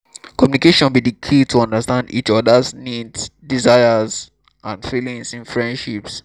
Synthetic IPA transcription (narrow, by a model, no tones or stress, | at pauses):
kɔmjunikeʃɔ̃nbidikʰitʰuɔ̃ndəstãndḭt͡ʃɔdəsniddizaɪəz | ʔãnfilĩŋsĩnfɹɛ̃ndʃips